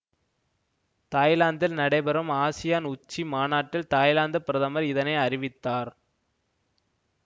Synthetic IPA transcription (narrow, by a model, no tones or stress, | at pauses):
t̪aːjlaːnd̪ɪlnɐɽɐɪbɐɾɐmaːsɪjaːnʊt͡ʃːimaːnaːʈːɪlt̪aːjlaːnd̪ɐpɪɾɐðɐmɐɾɪðɐnɐɪɐrɪʋɪt̪ːaːɾ